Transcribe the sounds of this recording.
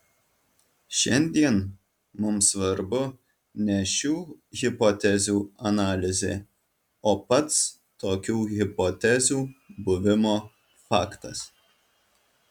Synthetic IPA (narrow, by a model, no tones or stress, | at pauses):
ʃʲɛ̰nʲd̪ʲiɛn | mʊmsʋɐɾbʊ | nʲɛʃʲuːɣʲɪpɔːt̪ʲɛzʲuːɐnɑːlʲɪzʲḛː | oːpɐt̪s | t̪oːkʲuːɣʲɪpot̪ʲɛzʲuːbʊʋʲɪmoː | fɑːkt̪ɐs